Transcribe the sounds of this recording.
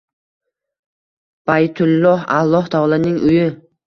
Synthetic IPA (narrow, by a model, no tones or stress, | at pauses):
b̥ajt̪ʰʊlˠːɒha̰lˠːɒht̪ʰɑːlˠanɪŋʔʊjɪ